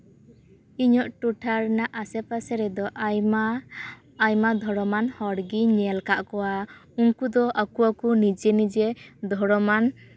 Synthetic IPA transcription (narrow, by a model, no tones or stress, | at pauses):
iɲɔʔʈuʈʰaɾnaʔasɛpasɛɾɛd̪ɔ | jmad̪ʱɔɽɔmanhɔɽɡiɲɛlkaʔkɔwauŋkud̪ɔʔakuakunid͡ʒɛnid͡ʒɛd̪ʱɔɽɔman